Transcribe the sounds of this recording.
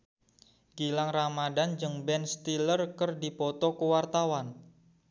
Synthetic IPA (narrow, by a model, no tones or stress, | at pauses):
ɡ̥ilaŋramadand͡ʒɨŋbɛnst̪ilərkərdipɔt̪ɔkəwart̪awan